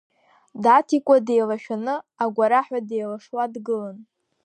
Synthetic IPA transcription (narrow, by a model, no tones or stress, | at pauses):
datʰikʷʼade̞jlaʃᶣanɨaɡʷaɾaħʷᶣadejlaʂwadɡɨlan